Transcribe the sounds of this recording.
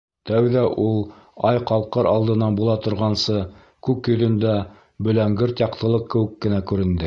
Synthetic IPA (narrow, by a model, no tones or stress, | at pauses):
t̪æwðæʔulˠ | ɑjqɑlˠqɤɾɑlˠd̪ɤ̆nɑnbulˠɑt̪ŏɾʁɑnsɤ | kʉkjɵ̆ðɵ̆nd̪æ | bɵ̆læŋɡɘɾt̪jɑq̚t̪ɤ̆lˠɤq̚kːɘ̆wɘ̆kːɘ̆nækʉɾɘ̆nd̪ɘ